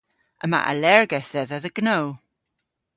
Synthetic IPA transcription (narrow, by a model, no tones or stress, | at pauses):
ʔəma̰ʔə̰lɛɹɡɛθɛðəðəɡ̥now